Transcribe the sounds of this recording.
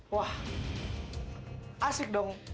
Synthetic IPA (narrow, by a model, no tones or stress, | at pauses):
wah | asɪk̚dɔŋ